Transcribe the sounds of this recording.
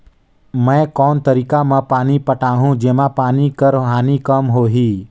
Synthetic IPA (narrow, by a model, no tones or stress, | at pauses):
mɛ̃ːkɔːnt̪əɾiːkamãpaːnipəʈaːɦũd͡ʒeːmãpaːnikəɾɦaːnikəmɦoːɦiː